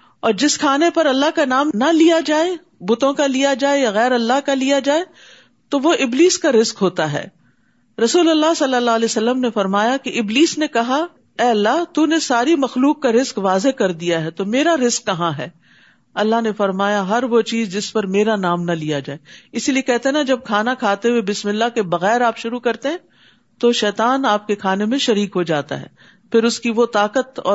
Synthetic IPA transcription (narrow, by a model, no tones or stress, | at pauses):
ɔːɾd͡ʒɪskʰaːnepɐɾɐlːaɦkanaːmnɐlijad͡ʒaːe | bʊt̪õkalijad͡ʒaːejaɣɛːɾɐlːaɦkalijad͡ʒaːe | t̪oʋoɪbliːskaɾɪzkɦoːt̪aɦɛ̰ː | ɾɐsuːlɐlːaɦsɐlːəlːaːlesɐlːəmnefɐɾmaːjakeʔɪbliːsnekɐɦa | ɛːɐlːaɦt̪uːnesaːɾimɐxluːkːaɾɪzkʋaːzekɐɾd̪ijaɦɛːt̪omeːɾaɾɪzkːɐɦãɦɛː | ɐlːaɦnefɐɾmaːjaɦɐɾʋot͡ʃiːzd͡ʒɪspɐɾmeːɾanaːmnɐlijad͡ʒaːeɪsiliekɛɦt̪eɦenɐd͡ʒɐb̚kʰaːnakʰaːt̪ewebɪsmɪlːaɦkebɐɣɛːɾaːpʃʊɾukɐɾt̪eɦɛ̃ | t̪oʃɛːt̪aːnaːp̚kekʰaːnemẽʃɐɾiːkɦod͡ʒaːt̪a̰ɦɛ̰ː | pʰɪɾʊskiʋot̪aːkət̪ɔ̰ː